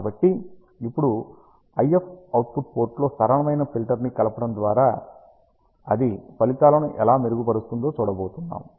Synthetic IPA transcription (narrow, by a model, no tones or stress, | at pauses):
bɐʈːi | ipːuɽu | ɐjepʰɐwt̪pʰuʈ̚po̞ːɾʈlo̞ːsɐɾɐɳɐmɐjnɐpilʈɐɾnikɐlɐpɐɽɐmd̪ʋaːɾaː | ɐ̰d̪ipɐlit̪aːlɐnuʔɛlaːmeɾuɡupɐɾust̪und̪o̞ːt͡ʃuːɽɐbo̞ːt̪unːa̰ːm